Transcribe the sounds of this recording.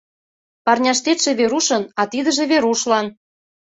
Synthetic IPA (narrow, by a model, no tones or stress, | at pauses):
pɑrnʲɑʃt̪et̪ʃĕβeɾuʃɤ̆nɑt̪id̪ə̆ʒĕβeɾuʃlɑn